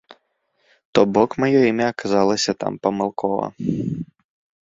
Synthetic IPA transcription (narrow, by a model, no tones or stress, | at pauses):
t̪ɔbɔkmɐjɔimʲɛɐkazalˠɐsʲɐt̪a̰mpɐmalˠkʰɔvɐ̰